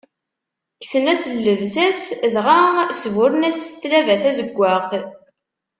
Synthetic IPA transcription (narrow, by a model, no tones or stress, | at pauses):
ksənæsəlːəvsæsðʁasvʊɾnæst̪lævæθæzəɡʷːaq